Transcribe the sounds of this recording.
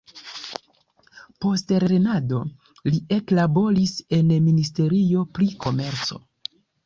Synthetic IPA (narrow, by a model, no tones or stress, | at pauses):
po̞stɾeɾe̞nado̞ | lie̞klabo̞ɾise̞nministe̞ɾio̞pɾikʰo̞me̞ɾt͡so̞